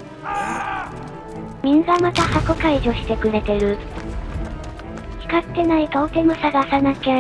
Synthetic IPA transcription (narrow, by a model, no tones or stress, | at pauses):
mʲĩŋɡamat̪ahakokaiʑo̞ɕi̥t̪e̞kɯ̟ɾe̞t̪e̞ɾɯ̟ | çʲi̥kat̪ːe̞naikaot̪e̞mosaɡasanake